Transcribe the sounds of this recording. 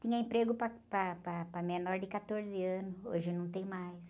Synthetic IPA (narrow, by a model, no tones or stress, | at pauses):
t̪ĩɲɐẽmpɾeɡʊpɐpɾɐpɾɐpɾɐmenɔɾd̪ɪkat̪oɾzɪɐ̃nʊso̰ʒɪnɐ̃w̃t̪ẽj̃majs